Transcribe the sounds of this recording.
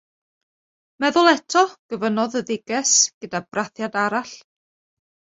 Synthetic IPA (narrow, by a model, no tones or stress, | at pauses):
mɛðʊlˠɛtʰɔɡ̥əvənɔðəðɪɡɛsɡ̥ədabrʔaθjadaɾaɬ